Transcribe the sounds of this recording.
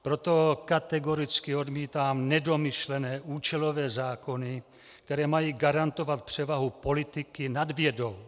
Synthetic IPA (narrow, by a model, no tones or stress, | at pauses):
pɾo̞t̪o̞kat̪ɛɡo̞ɾɪt͡skɪo̞dmiːt̪aːmnɛdo̞mɪʃlɛnɛːʔuːt͡ʃɛlo̞vɛːzaːko̞nɪ | kkt̪ɛɾɛːmajiːɡaɾant̪o̞vat̪̚pr̝̥ɛvaɦupo̞lɪt̪ɪkɪnadvjɛdo̞w